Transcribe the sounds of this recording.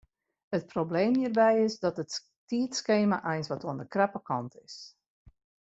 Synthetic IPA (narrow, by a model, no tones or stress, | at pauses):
ət̚probleːmhiːrbɛjɪsdɔtət | tiətskeːma̰ʔɛjnsʋɔtuəndəkrɛpəkɑntʰɪs